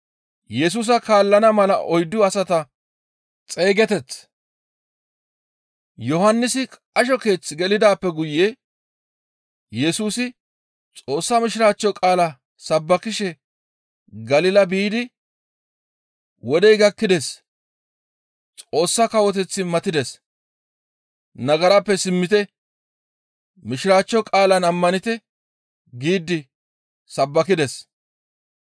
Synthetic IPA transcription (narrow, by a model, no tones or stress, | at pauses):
jɛs̬uːs̬ɐkaːlːɐnɐmɐlɐ̰ʔɔjd̪ʊɐsɐt̪ɐ | t͡sʼe̞ːɡɛt̪ɛt͡sː | jɔɦɐnːɪsɪ | ɐʃɔke̞ːt͡sːɪɡɛlɪd̪aːpːɛɡʊjːe | jɛsuːsɪ | t͡sʼo̞ːsːɐmɪʃɪɾaːt͡ʃːjɔkʼaːlɐ | sɐbːɐkɪʃɛ | ɡɐlɪlɐbiːd̪ɪ | wɔd̪ɛjɡɐkːɪd̪ɛs | t͡sʼo̞ːsːɐkɐwɔt̪̬ɛt͡sːɪmɐt̪ɪd̪ɛs | nɐɡɐɾɐpːɛsɪmːɪt̪ɛ | mɪʃɪɾaːt͡ʃːɔkʼaːlɐnɐmːɐnɪt̪ɛ | ɡiːd̪ɪ | sɐbːɐkɪd̪ɛs